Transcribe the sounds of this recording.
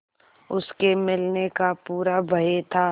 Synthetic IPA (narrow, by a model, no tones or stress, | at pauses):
ʊskemɪlnekapuːɾabʱɐɦet̪ʰaː